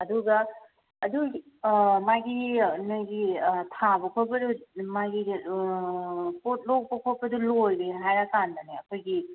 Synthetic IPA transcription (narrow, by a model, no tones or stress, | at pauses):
ɐduɡɐː | du | maɡinojɡitʰabɐkʰojbɐdumaɡi | pot̚lok̚bɐkʰojbɐdulojɾeɦajɾakandaneɐkʰojɡi